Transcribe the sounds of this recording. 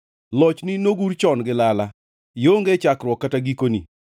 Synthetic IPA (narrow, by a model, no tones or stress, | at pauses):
lɔt͡ʃninoɡuɾt͡ʃɔnɡɪlala | joŋɡet͡ʃakɾwɔkːataɡikonḭ